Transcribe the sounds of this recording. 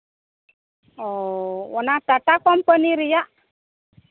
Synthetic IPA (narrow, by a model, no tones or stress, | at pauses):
ɔwɔnad̪̥at̪akɔmpəniɾijaʔ